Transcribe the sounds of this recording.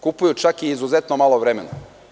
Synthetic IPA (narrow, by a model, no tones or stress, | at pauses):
kupujut͡ʃakiːzuze̞t̪nomalˠoʋɾeme̞na